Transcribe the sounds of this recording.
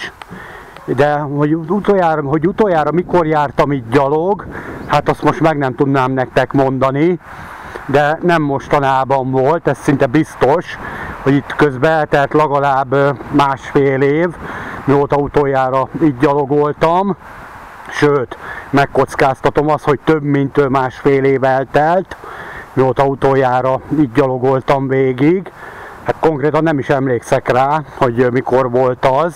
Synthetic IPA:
d̪ɛho̞ɟut̪oːjaːrɒɦo̞ɟut̪oːjaːɾɒmiko̞rjaːrt̪ɒmiːɟdɒloɡhat̪ɒst̪mo̞ʃt̪mɛɡnɛmt̪ud̪naːmnɛkt̪ɛkmo̞nd̪ɒni | d̪ɛnɛmːo̞ʃt̪ɒnaːbɒɱvo̞lt̪ɛssint̪ɛbist̪o̞ʃho̞ɟit̪køzbɛɛt̪ɛlt̪lɛɡɒlaːbmaːʃfeːleːvmioːt̪ɒut̪oːjaːɾɒiːd̪̚ɟɒlo̞ɡolt̪ɒm | ʃøːt̪mɛkːo̞t̪skaːst̪ɒt̪o̞mɒst̪ho̞c̚t̪øbmint̪øːmaːʃfeːleːvɛlt̪ɛlt̪mioːt̪ɒut̪oːjaːɾɒiːd̚ːɒlo̞ɡo̞lt̪ɒmveːɡiɡhat̪koŋkreːt̪ɒnːɛmiʃɛmleːksɛkraːho̞ɟmiko̞rʋo̞lt̪ɒz

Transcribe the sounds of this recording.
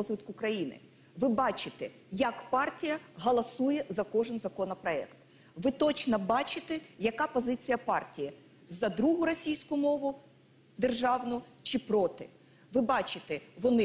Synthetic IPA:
ɔzʋɪt̪kʊkɾɐjinɪ̰ | ʋɪbɑt͡ʃɪt̪ɛ | jɐkpɑrtʲijɐɦɐlˠɐsujɛzɐkɔʒɪnzɐkɔnɐpɾɔɛ̰kt̪ | ʋɪt̪ɔt͡ʃnɔbɑt͡ʃɪt̪ɛjɐkɑpɔzɪt͡sʲijɐpɑrtʲiji | zɐd̪ɾuɦʊɾɔsʲijsʲkʊmɔʋʊ | d̪e̞rʒɑʋnʊt͡ʃɪpɾɔt̪ɪ | ʋɪbɑt͡ʃɪt̪ɛʋɔnɪ

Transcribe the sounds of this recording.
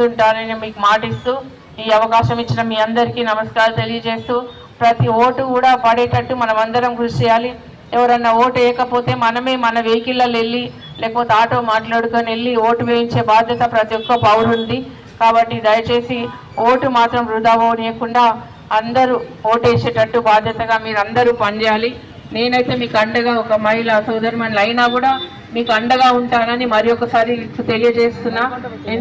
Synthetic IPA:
uɳʈaːnɐnemiːkumaːʈist̪uː | iːɐʋɐkaːʃɐmit͡ʃːinɐmiːɐnd̪ɐɾikiːnɐmɐskaːɾlut̪e̞lijɐt͡ʃe̞ːst̪uː | pɾɐt̪ioːʈukuːɽaːpɐɽɛːʈɐʈːumɐnɐmɐnd̪ɐɾɐmɡɾuʂʈɛːjaːli | ɛʋɐɾɐnːɐoːʈɛjɐkɐpo̞ːt̪e̞ːmɐnɐme̞ːmɐnɐʋe̞jkilːɐle̞lːi | leːkɐpoːt̪eaːʈoːmaːʈlaːɽukoːne̞lːioːʈuʋeːjiɲt͡ʃe̞ːbaːd̪ʱjɐt̪ɐpɾɐt̪ijɔkːɐpɐwɾund̪i | kaːbɐʈːid̪ɐjɐt͡ʃe̞ːsi | oːʈumaːt̪ɾɐmɾud̪aːboːneːɐkuɳɖaː | ɐnd̪ɐɾuo̞ːʈeːt͡ʃeːʈɐʈːubaːd̪ʱjɐt̪ɐɡaːmiːɾɐnd̪ɐɾuːpɐɲd͡ʒaːli | ne̞ːnɐjt̪e̞ːmiːkuɐɳɖɐɡaːɔkɐmɐɦilɐsuːd̪ɐɾmɐnlɐjnaːkuːɽaː | miːkuɐɳɖɐɡaːuɳʈaːnɐnimɐɾijɔkːɐsaːɾiut̪e̞lijɐt͡ʃe̞ːst̪unːaː

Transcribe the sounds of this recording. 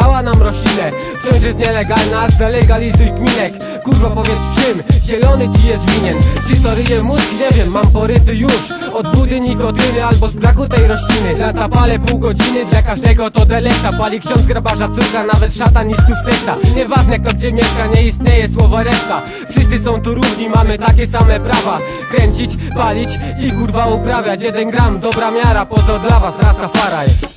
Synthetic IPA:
awanamɾɔɕlʲinɛ | ft͡ɕɔ̃w̃z̬jɛst̪ɲɛlɛɡalnazd̪ɛlɛɡalʲizujkmʲilɛkː | uʐvɔpɔvʲjɛt̪sfʂɘmʑɛlɔnɘt͡ɕijɛst̪vʲiɲɛnt͡ʂɘt̪ɔɾɘjɛmut̪kiɲɛvʲjɛmːampɔɾɪt̪ʊjuʂ | ɔd̪vud̪ɘɲik̪ɔt̪ɪnɘalbɔzbɾakut̪ɛjɾɔɕlʲinɘnat̪apalɛpuwɡɔd͡ʑinɘd̪lakaʐd̪ɛɡɔt̪ɔd̪ɛlɛk̚t̪apɔalʲikɕɔ̃nzɡɾabaʐat̪suɾkanavɛt̪ʂat̪anisk̪uksɛkt̪aɲɛvaʐnɛk̚t̪ɔɡ̚d͡ʑɛmʲjɛʂkaɲɛist̪ɲejɛswɔvɔɾɛkt̪a | fʂɘst̪sɘsɔ̃w̃t̪uɾuʐɲimamɘt̪akʲɛsamɛpɾava | kɾɛɲt͡ɕit͡ɕpalʲit͡ɕikuɾvaupɾavʲjat͡ɕjɛd̪ɛnɡɾamd̪ɔbɾamʲjaɾapɔt̪ɔd̪lavasɾast̪afaɾajɛ

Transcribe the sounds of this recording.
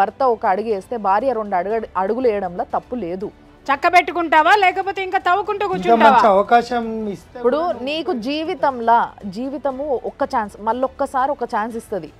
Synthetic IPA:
ɐɾt̪ɐɔkɐːɽuɡeːst̪e̞ːbʱaːɾijɐɾo̞ɳɖɐɽɐɽuɡulɛːjɐɽɐmlaːt̪ɐpːule̞ːd̪u | t͡ʃɐkːɐpeʈːukuɳʈaːʋaːlɛːkɐpoːt̪eiŋkaːt̪ɐʋːɐkuɳʈuːkuːɾt͡ʃːuɡ̪ɐʈaɐɲaɐɐʋɐkaːʃɐmisipːuɽuniːkud͡ʒiːʋit̪ɐmlɐd͡ʒiːʋit̪ɐmuɔkːɐt͡ʃaːnsmɐlːɔkːɐsaːɾiɔkːɐt͡ʃaːnsist̪ɐd̪i

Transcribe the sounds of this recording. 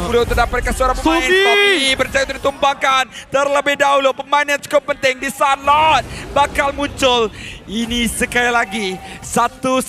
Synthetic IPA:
ulot̪ərdapat̪̚kansəoɾaŋpəaɪnkɔiipərt͡ʃajaut̪udit̪umbakant̪ərləbɪhdaɦulopəmaɪnjant͡ʃu̥kɔp̚ːənt̪ɪŋdisalat̪̚bakalmuɲt͡ʃʊlinisəkalilaɡisat̪u

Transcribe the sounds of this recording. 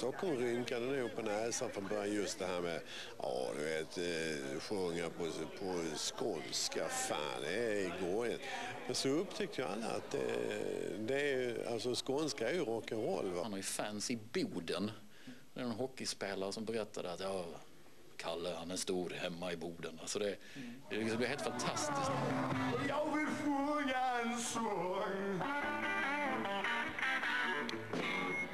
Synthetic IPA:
st̪ɔkːɔmɾʏŋkad̪ənʉpʰɔnɛːsanfɾɔnbœːɾjajɵst̪̚d̪ɛɦæːɾmɛ | ʔɑ̰ːd̪ɵveːt̪ɧɵŋːapʰɔpʰɔskɔnskafa̰ːd̪ɛɡɔjənmɛnsɔɵpt̪ʰɛk̚t̪əjaa̰lːa̰a̰t̪̚d̪ɛ̰ | d̪ɛa̰lsɔskɔnskaæɾjʉɾɔːkənɾɔ̰lːvahnhaɾjʉfænsɪbuːd̪ən | d̪ɛ̰ɾnɛnɦɔkːɪspeːlaɾəsɔmbɛɾɛt̪ːa̰d̪əat̪jɑː | kʰalːəhanæst̪uːɾhɛmːaɪbuːd̪ənalsɔd̪ɛ | d̪ɛksmblɪɾheːlt̪fant̪ʰast̪ɪskjɑɡvɪlfojaɛnsɔŋ

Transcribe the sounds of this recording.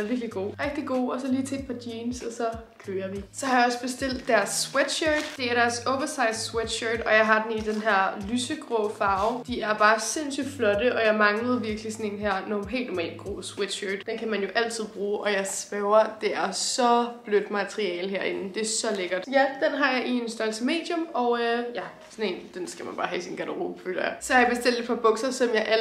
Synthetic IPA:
ʋiɐɡ̥liɡ̥o̝̰ːʁɛɡ̥̚d̥iɡ̥o̝̰ːɒ̽sɒ̽liːt͡sʰe̝ed̥pʰɑ̈d̥jiːmsɒ̽sɒ̽kʰøːɐʋisɒhɑ̈jɑ̈ɒ̽sb̥e̝sd̥el̰d̥ːæɐsːwed̥ɕød̥d̥e̝æɐɾæɐsoʊʋɐsɑ̈ɪd̥swed̥ɕøːd̥ɒ̽jɑ̈ɪɦɑ̈d̥enid̥enɦæɐ̰lysəɡ̥ʁɔ̰ːfɑ̈ʊd̥iæɐb̥ɑ̈ːsensyd̥flɒ̽d̥əʔɒ̽jɑ̈ɪmɑ̈ŋləð̞̩ˠʋiɐɡ̥lisɒ̽ne̝nɦæɐ̰nɒmɦɛ̰ld̥nɔmɛ̰ːlɡ̥ʁo̝̰ːswed̥ɕøːd̥d̥enkʰæmænjo̝ʔæl̰t͡sʰið̞̰ˠb̥ʁuːʔɒ̽jɑ̈ɪsb̥ɛʊɐd̥e̝æɐsɒ̽b̥lød̥mæt͡sʰʁiɛ̰ːlɦæɐ̰e̝nn̩d̥e̝æsɒ̽leɡ̥ɐd̥jæd̥enɦɑ̈jɑ̈ɪʔie̝nsd̥ɶɐlsəme̝̰ːd̥jɔ̽mɒ̽ʊjæ | sɒne̝ːnd̥ensɡ̥æmænb̥ɑ̈ːɦɛ̰sinɡ̥ædəʁo̰ːbfø̰ːlɐjɑɪsɒhɑjɑb̥e̝sd̥el̰d̥e̝̥pʰɑ̈b̥ɔ̽ɡ̥sɐsɒ̽mjɑ̈ɪʔæ

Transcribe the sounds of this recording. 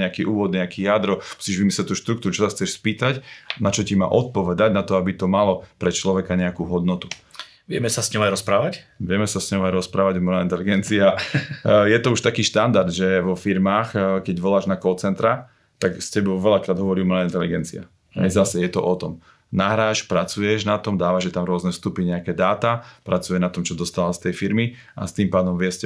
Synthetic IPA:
ɲɛakiːʔuːʋɔd̪nɲɛakiːjad̪ɾɔmusiːʒʋimislɛt̪uːʃt̪ɾukt̪uɾut͡ʃɔsaxt͡sɛʃspiːt̪acnat͡ʃɔcima̰ːʔɔt̪̚pɔʋɛd̪aɟnat̪ɔabit̪ɔmalɔpɾɛt͡ʃlɔʋɛkaɲɛakuːɦɔd̪nɔt̪u̥ | ʋɪɛmɛsasɲɔʊajɾɔspɾaːʋacʋɪɛmɛsasɲɔʊajɾɔspɾaːʋaɟɔmɛlaint̪ɛliɡɛnt͡sia | jɛt̪ɔuʃt̪akiːʃt̪and̪aɾd̪ʒɛʋɔfiɾmaːxkɛɟʋɔlaːʒnakɔːt͡sɛnt̪ɾa | t̪aɡstcɛbɔʊʋɛlakɾaːd̪ɦɔʋɔɾimɛlaint̪ɛliɡɛnt͡sia̰ | ɦɛ̰jzasɛjɛt̪ɔ̰ʔɔt̪ɔm | naɦɾaːʃpɾat͡sujɛʒnat̪ɔmd̪aːʋaʒɛt̪amɾʊɔznɛst̪upiɲɛakɛːd̪aːt̪apɾat͡sujɛnat̪ɔmt͡ʃɔd̪ɔst̪alast̪ɛjfiɾmi | a̰st̪impaːd̪ɔmʋɪɛscɛ

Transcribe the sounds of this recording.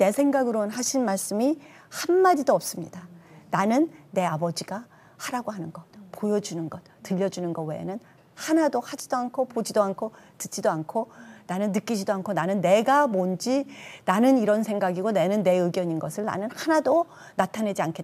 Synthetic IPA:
ne̞sʰe̞ŋɡaɡɯɾonɦaɕʰinmaɭs͈ɯmi | hanmad͡ʑidoʌp̚s͈ɯmɲḭdananɯnːe̞abʌd͡ʑiɡa | haɾaɡoɦanɯnɡʌt̚pojʌd͡ʑunɯnɡʌt̚t͈ɯʎːʌd͡ʑunɯnɡʌwe̞̰nɯn | hanadohad͡ʑidoankʰopod͡ʑidoankʰotɯt͡ɕ͈idoankʰonanɯnːɯk͈id͡ʑidoankʰonanɯnːe̞ɡamond͡ʑinanɯniɾʌnsʰeŋɡaɡiɡone̞nɯnːe̞ɯɡjʌɲinɡʌsʰɯɭna̰nɯnhanado | natʰane̞d͡ʑiankʰe̞t

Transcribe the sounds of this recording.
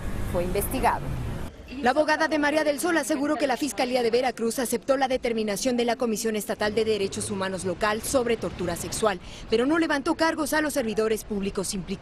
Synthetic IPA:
fweimbe̞st̪iɣa̰ðo̰ | laːβo̞ɣaðaðe̞maɾjaðe̞lso̞lase̞ɣuɾo̞ke̞lafiskaliaðe̞βe̞ɾakɾusase̞p̚t̪o̞laðe̞t̪e̞ɾmĩnasjo̞nd̪e̞lako̞misjo̞ne̞st̪at̪ald̪e̞ðe̞ɾe̞t͡ʃo̞sumãno̞zlo̞kalso̞βɾe̞t̪o̞ɾt̪uɾase̞kswalpe̞ɾo̞no̞le̞βant̪o̞kaɾɣo̞salo̞sːe̞ɾβiðo̞ɾe̞spuβliko̞simplik

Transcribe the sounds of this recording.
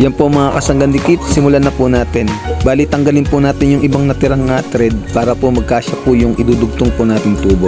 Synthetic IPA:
jɐnpomɐŋakɐsɐŋɡɐnlɪkit̪̚sɪmʊlanɐpʊnaːt̪ɛnbaːlɪt̪ːɐŋɡɐlɪnpʊnaːt̪ɪnjʊŋʔɪbaŋnɐt̪ɪɾɐŋːat̪ɾɛd̪̚paːɾɐpomɐɡ̚kaːʃɐpʊjʊŋʔɪd̪uːd̪ʊɡ̚t̪oŋpʊnaːt̪ɪŋt̪uːbo

